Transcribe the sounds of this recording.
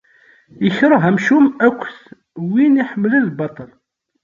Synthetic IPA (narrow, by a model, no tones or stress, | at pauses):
əçɾˤɑɦæmʃumækʷːθ | winiħəmːləlbɑt̪ˤɑl